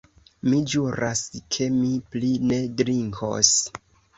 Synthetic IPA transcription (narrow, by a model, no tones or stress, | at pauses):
mid͡ʒuɾʔaskʰe̞mipline̞dɾiŋkʰo̞̰s